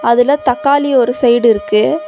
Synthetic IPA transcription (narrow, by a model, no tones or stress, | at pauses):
ɐðɪlɐt̪ɐkːaːliɔɾɯsɐɪɽɪɾɯkːɯ